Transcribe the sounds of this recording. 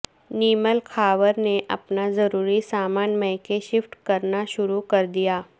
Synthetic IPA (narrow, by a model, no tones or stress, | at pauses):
niːməlkʰaːʋəɾneʔɐ̰pnazɐɾuːɾisaːmaːnmɛ̃ɦkeʃɪfʈkɐɾnaʃʊɾukɐɾd̪ijaː